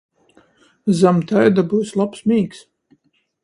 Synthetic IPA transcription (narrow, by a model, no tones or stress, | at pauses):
zamt̪ajd̪abuːslˠapsmʲiːks